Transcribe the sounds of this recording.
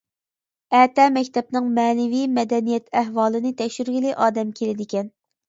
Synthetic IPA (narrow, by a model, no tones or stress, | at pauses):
ɛːt̪ɛmɛkʲt̪ʰɛpnɨŋmɛːnɪvijmɛd̪ɛnijɛt̪ʰæɦwɑːlˠɨnɨt̪ʰɛkʃyɾɡʲilɪʔɑːd̪ɛmkʲʰelɪd̪ɪkʲɛn